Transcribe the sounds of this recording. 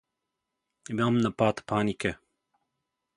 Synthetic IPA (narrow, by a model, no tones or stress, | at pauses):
bamnɐpaːt̪pʰaːnikɛ